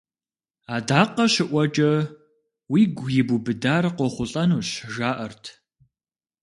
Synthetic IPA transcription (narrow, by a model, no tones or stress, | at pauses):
aːdaːqɐɕɪʔʷɐt͡ʃʼɐ | wiːɡʷjɪbubɨdaːrqʷɔχʷʊɬʼɐnuːɕʒaːʔɐrtʰ